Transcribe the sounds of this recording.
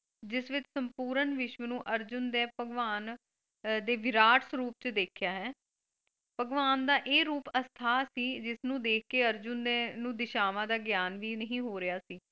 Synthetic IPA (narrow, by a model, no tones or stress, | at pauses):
d͡ʒɪsʋɪt͡ʃsəmpuːɾənʋɪʃʋənũːʔəɾd͡ʒʊnd̪eːpəɡʋaːn | d̪eːʋɪɾaːʈsɾuːp̚t͡ʃd̪eːkʰjaːɦɛː | pəɡʋaːnd̪aːʔeːɾuːpəst̪ʰaːsiːd͡ʒɪsnũːd̪eːk̚ʰkeːəɾd͡ʒʊnd̪enũːd̪ɪʃaːʋãːd̪aːɡɪjaːnʋiːnəɦĩːɦoːɾɪjaːsiː